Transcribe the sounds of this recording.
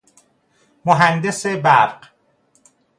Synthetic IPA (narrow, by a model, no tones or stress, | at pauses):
moɦænd̪esebæɾɢ